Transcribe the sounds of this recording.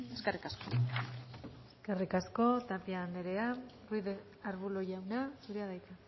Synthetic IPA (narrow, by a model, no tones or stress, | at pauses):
eskarikasko | eskarikasko̞t̪apiaːnd̪eɾe̞arujðe | aɾβuloʝawnasuɾeaðajt̪a